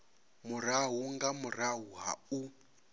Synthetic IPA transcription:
muɾaɦuŋɡamuɾaɦuɦa̰u

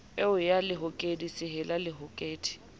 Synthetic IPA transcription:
eʊjalɪɦʊkʼedisɪɦɛlalɪɦʊkʼeːtʰʼi̥

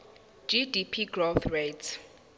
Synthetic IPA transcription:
d͡ʒidipʰiɡroθret

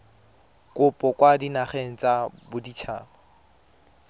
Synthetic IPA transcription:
kʼʊpʼɔkʼwadinaχeŋ̩t͡sʼabʊdit͡ʃʰa̰ːba

